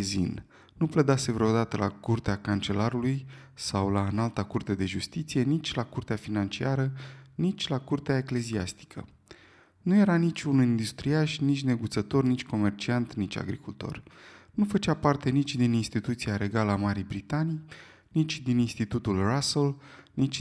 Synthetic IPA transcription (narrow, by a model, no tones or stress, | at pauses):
zḭn | nupled̪ase̞vɾeod̪at̪əlʔakurt̪eakant͡ʃe̞laɾuluj | sawlaɨnalt̪akurt̪ad̪e̞ʒust̪it̪sije̞nit͡ʃʲlakurt̪eafinant͡ʃiaɾənit͡ʃʲlakurt̪eaekle̞ziast̪i̥kʰə̰ | nuje̞ɾanit͡ʃʲunuind̪ust̪ɾiaʃnit͡ʃʲne̞ɡut̪sət̪o̞rnit͡ʃʲko̞me̞rt͡ʃiant̪nit͡ʃʲa̰ɡɾikult̪o̞̰rnufət͡ʃapart̪e̞nit͡ʃʲd̪ininst̪it̪ut̪siaɾe̞ɡaləamaɾijbɾit̪anij | nit͡ʃʲd̪ininst̪it̪ut̪ulrasəl | nit͡ʃʲ